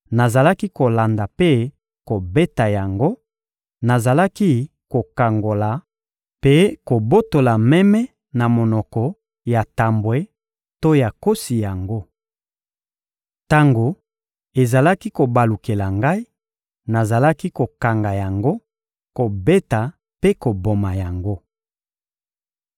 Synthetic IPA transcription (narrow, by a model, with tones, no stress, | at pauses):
na˨za˨la˦ki˦ko˨la˨nda˨pe˦ | ko˨be˦ta˨ja˨ŋɡo˦ | na˨za˨la˦ki˦ | ko˨ka˨ŋɡo˨la˨ | pe˦ko˨bo˦to˨la˨mɛ˦mɛ˦ | na˨mo˨nɔ˨kɔ˨ | ja˨ta˨mbwe˦ | to˦ja˨ko˦si˨ja˨ŋɡo˦ | ta˦ŋɡo˨ | e˨za˨la˦ki˦ko˨ba˨lu˨ke˨la˨ŋɡa˦i˦ | na˨za˨la˦ki˦ko˨ka˨ŋɡa˨ja˨ŋɡo˦ | ko˨be˦ta˨ | pe˦ko˨bo˨ma˨ja˨ŋɡo˦